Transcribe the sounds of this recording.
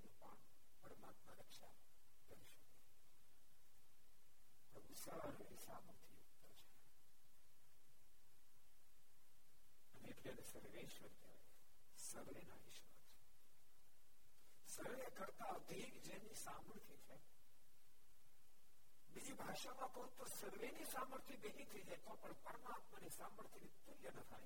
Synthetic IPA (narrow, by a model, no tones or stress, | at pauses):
pəɳ | pəɾəmat̪məɾəkʃa̰ | kəɾiʃəke | t̪oʊsaəɾeɦisa̰mũt̪ʰiu | əɾt͡ʃʰa | əneeʈliaɾesəɾʋeʃʋəɾd͡ʒ̪a̰ɾe | səɾʋena̰ḭʃʋa̰t͡ʃʰe̥ | səɾʋekəɾt̪ad̪ʱiɡd͡ʒenisaːməɾt̪ʰit͡ʃʰe | bid͡ʒibʱaːʃamãkɐɦũt̪ːosəɾʋenisaːməɾt̪ʰjib̪eɦit̪ʰəid͡ʒajt̪opəɳpəɾəmaːt̪manisaːməɾt̪ʰinit̪uljənət̪ʰaːj